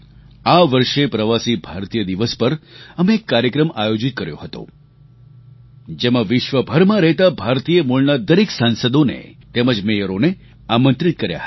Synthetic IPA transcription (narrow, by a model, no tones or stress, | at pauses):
aʋəɾʃepɾəʋasibʱaɾt̪ijəd̪iʋəspəɾəmeːkːaɾjəkɾəma̰jod͡ʒit̪̚kəɾjo̰ɦət̪o̰ | d͡ʒemãʋɪʃʋəbʱəɾmãɾəɦt̪abʱaɾt̪ijəmuɭnad̪əɾiksansəd̪onḛt̪eməd͡ʒmejəɾone | amə̃nt̪ɾit̪̚kəɾja̰ɦə